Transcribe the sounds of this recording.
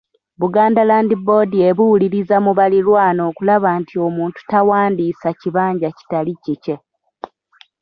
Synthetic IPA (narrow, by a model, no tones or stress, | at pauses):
βuɡaːndalaːndibo̞die̞βuwuliɾizamuβalilwaːno̞ːkulaβaːntʰio̞muːntu̥tawaːndiːsaciβaːɲɟaci̥talicice̞